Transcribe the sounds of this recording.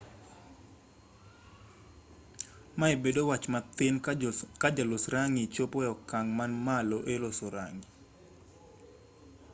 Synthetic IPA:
maebedowat͡ʃmat̪ɪnkad͡ʒalosɾaŋit͡ʃopɔjɔkaŋmanmaloʔelosoɾa̰ŋi

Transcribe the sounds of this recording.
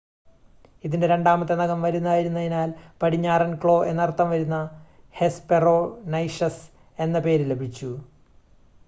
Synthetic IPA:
iðinde̞ɾe̞ɳɖaːmɐt̪ːe̞nɐɣɐmʋɐɾunːɐaːjiɾunːɐðinaːlpɐɽiɲːaːrɐnkɭo̞ːe̞nːɐrt̪ːɐmʋɐɾunːɐ | he̞speroːnɐjʂɐs | e̞nːɐpe̞ːɾile̞bʱit͡ɕːu

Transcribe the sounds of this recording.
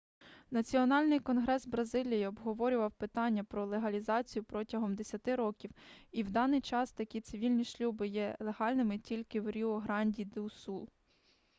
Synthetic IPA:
nɐt͡sʲiɔnɑlʲnɪjkɔnɦɾɛzbɾɐzɪlʲijiɔbɦɔʋɔɾʲʊʋɐwpɪt̪ɑnʲːɐpɾɔlˠeɦɐlʲizɑt͡sʲijʊpɾɔtʲɐɦɔmd̪esʲɐt̪ɪɾɔkʲiwiwd̪ɑnɪjt͡ʃɑst̪ɐkʲit̪sɪʋʲilʲnʲiʃlʲubɪjɛlˠeɦɑlʲnɪmɪtʲilʲkɪwɾʲiɔɦɾɑnʲdʲid̪ɪwsu

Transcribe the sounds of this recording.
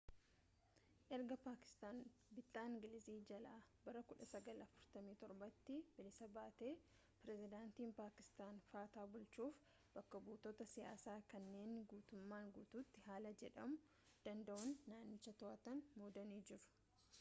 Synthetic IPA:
ʔɛɾɡɐpaːkɪ̥st̪aːnbɪt̪ʼːaːɪŋɡɪlɪziːd͡ʒɐlaːbɐɾɐkʊᶑɐsɐɡɐlɐfʊɾt̪ɐmiːt̪ɔɾbɐt̪ːɪb̥ɪlɪsɐbaːt̪e̞ː | pɪɾɛzɪd̪aːnt̪iːnpaːkɪ̥st̪aːnfaːt̪aːbʊlt͡ʃuːf | b̥ɐkːɐbuːt̪oːt̪ɐsɪja̰ːsaːkɐnːe̞ːnɡuːt̪ʊmːaːŋɡuːt̪uːt̪ːɪɦaːlɐd͡ʒɛᶑɐmʊ | d̪̥ɐnd̪ɐʔɔnːaːnːɪt͡ʃːɐt̪ɔʔɐt̪ɐnmuːd̪ɐniːd͡ʒɪɾʊ̥

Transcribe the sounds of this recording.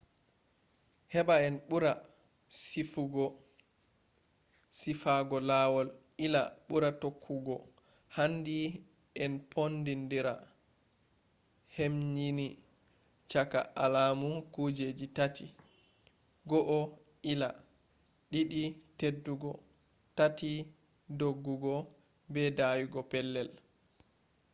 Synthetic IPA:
hɛɓaɛnɓuɾa | sifuɡɔ | sifaɡɔlawɔl | ila̰ɓuɾatokʰːuɡɔ | handi | ɛnpʰondindiɾa | hemɲini | t͡ʃaka̰alamukud͡ʒed͡ʒitati | ɡɔʔɔ | ila | ɗiɗitedːuɡɔ | tati | doɡːuɡɔ | bɛdawiɡɔpɛlːɛl

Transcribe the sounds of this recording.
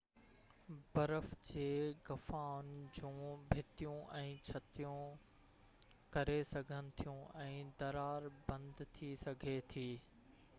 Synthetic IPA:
bɐɾəfd͡ʑeːɡɐfaːʊnɪ̆d͡ʑũːbʱɪt̪ijũʔɛ̃ːt͡ɕʰɐt̪ijũ | kɐɾesɐɡʱənɪ̆t̪ʰijũʔɛ̃ːd̪ɐɾaːɾbɐ̃nd̪t̪ʰisɐɡʱet̪ʰiː

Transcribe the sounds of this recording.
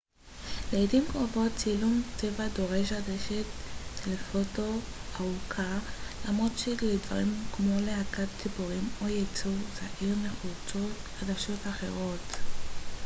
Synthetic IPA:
leidimkʁovo̞tt͡silumtevado̞ʁeʃ̬adeʃet̪lefoto̞ | aukʰalamʁotʃeledva̰ʁimkmo̞leakat̚kibuʁimojet͡suvzaʔiʁmeχuo | χad̪aʃo̞taχe̞ʁo̞t

